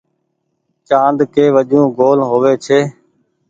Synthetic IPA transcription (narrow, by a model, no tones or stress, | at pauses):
t͡ʃãːnd̪keːʋəʄũːɡoːlɦoːʋeːt͡ʃʰeː